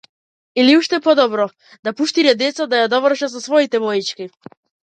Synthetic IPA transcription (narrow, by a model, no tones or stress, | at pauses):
iliuʃt̪ɛpɔd̪ɔbɾɔ | d̪apuʃt̪iɾɛd̪ɛt̪sad̪ajad̪ɔvr̩ʃasɔsvɔit̪ɛvɔjit͡ʃki